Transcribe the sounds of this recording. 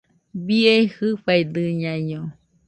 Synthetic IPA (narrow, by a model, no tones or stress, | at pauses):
biehɨɸajd̪ɨɲãiɲõ